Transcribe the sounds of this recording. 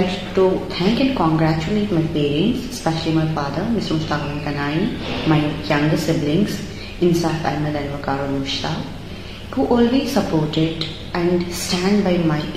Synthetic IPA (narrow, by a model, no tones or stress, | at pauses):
l | ʈut̪ʰɛ̃ŋkɛ̃ɳɖkɔ̃ŋɡɾæt͡ʃuleːʈmaɪpeːɾiə̃nsspɛʃəlimaɪfaːd̪əɾmɪsmʊst̪aːkmə̃nkɐnaːimaɪjɐ̃ŋɡsɪblɪ̃ŋɡs | ɪ̃nsaːfɛ̰məd̪ɛ̃nʋɐkaːɾolmʊʃt̪aː | huʔɔːlʋisəpoːɾʈɪɖ | ɛ̃ɳɖsʈæ̃ɳɖbaɪmaɪ